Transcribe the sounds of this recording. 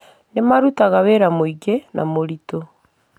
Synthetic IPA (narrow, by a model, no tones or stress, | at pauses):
nemaɾutaɣaβeɾamoiɡenʔa̰moɾito